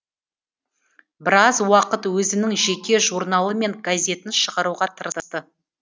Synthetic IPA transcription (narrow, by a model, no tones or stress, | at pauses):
bɪɾɑzwɑqət̪wɵzɪnɪŋʒe̞kʲe̞ʒuɾnɑlˠəme̞ŋɡazʲe̞t̪ɪnʃəʁɑɾuʁɑt̪ʰəɾəst̪ə